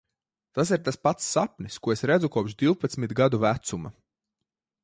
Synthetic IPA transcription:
t̪as̬iɾt̪aspat̪sːapniskuɔesɾɛd̪zukuɔpʃd̪iwpat̪smit̪ɡad̪uvæt̪suma

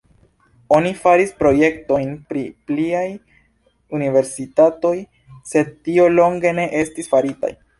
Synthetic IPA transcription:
o̞nifaɾispɾo̞je̞kto̞jnpɾipliaj | unive̞ɾsitato̞j | se̞d̚tio̞lo̞ŋɡe̞ne̞ʔe̞stisfaɾita̰j

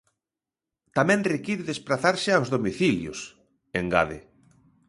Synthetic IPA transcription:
t̪amɛ̃nrekiɾɪðespɾaθaɾsɪawzðomiθiljʊ̰s | eŋɡa̰ðḛ

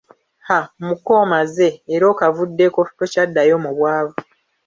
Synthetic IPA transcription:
hamukoːmaze̞ːɾo̞ːkavudːe̞kofi̥tocadːajo̞ːmuβwaːβo

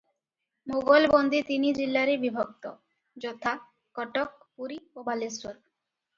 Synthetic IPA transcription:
moɡolbond̪it̪inid͡ʑilːaɾebibʱok̚t̪o̰ | d͡ʑɔt̪ʰa | kɔʈok̚ | puɾiobalesoɾ

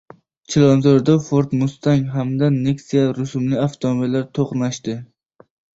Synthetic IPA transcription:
t͡ʃʰɪlˠɒnzoɾd̪afoɾt̪mʊst̪aŋɦamd̪aneksijaɾʊsʊmlɪaft̪ʰomobilːaɾt̪ʰoqnaʃt̪ɪ

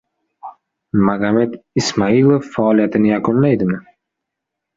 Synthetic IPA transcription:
maɣamet̪ɪsmailˠofːaːlijat̪ʰɪnɪjakʊnlajd̪ɪmɪ

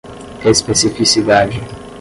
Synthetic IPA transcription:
kɛispesifisid̪ad͡ʒɪ

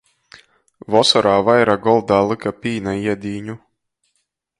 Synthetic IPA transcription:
vɔsɔɾaːvajɾaɡɔlˠd̪aːlˠɨkapiːnaiɛd̪iːɲu

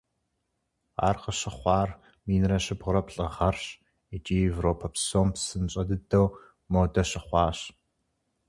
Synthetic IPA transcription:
a̰ːrqəɕɐχʷɑːr | miːnrɐɕɪbʁʊɾɐpɬʼɨʁɐrɕ | it͡ʃʼiːevroːpʰɐpsoːmpsɨnt͡ɕʼɐdɨdɐw | moːdɐɕɐχʷɑːɕ

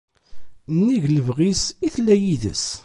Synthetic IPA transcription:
nːiʝləvʁisiθlːæjiðə̰s

